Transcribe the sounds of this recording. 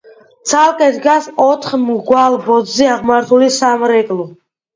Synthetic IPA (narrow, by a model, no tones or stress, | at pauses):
t̪sʰalˠkʼɛd̪ɡasɔt̪ʰχmɡwalˠbɔd̪zɛaʁmaɾt̪ʰulisamɾɛkʼlu